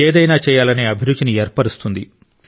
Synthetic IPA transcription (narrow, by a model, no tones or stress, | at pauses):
eːd̪ɐjnaːt͡ʃɛːjaːlɐneːɐbʱiɾud̪ːinieːɾpɐɽust̪und̪i